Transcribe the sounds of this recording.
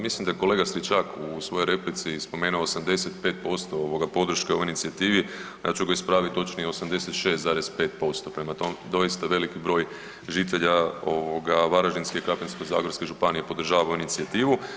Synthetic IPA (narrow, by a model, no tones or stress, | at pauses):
mislimd̪aeko̞le̞ɡasɾit͡ʃakusʋo̞jo̞jɾe̞plit̪sispo̞me̞ːnuosamd̪e̞set̪pe̞ːt̪̚po̞st̪o̞oʋo̞ɡapo̞d̪ɾ̩ʃkeo̞ʋoijnit̪siat̪iːʋi | ja̰ːt͡ʃuɡaispɾaːʋit̪t̪ːo̞t͡ʃnijeosamd̪e̞set̪ʃe̞ːst̪zaːɾe̞spe̞ːt̪̚po̞st̪o̞pɾe̞mat̪o̞med̪o̞jist̪aʋe̞likibɾo̞ːj | ʒit̪e̞ʎao̞ʋoɡaʋaɾaʒinskeikɾapenskojza̰ːɡoɾskeʒupanijepo̞d̪r̩ʒaːʋaoinit̪siat̪iːʋu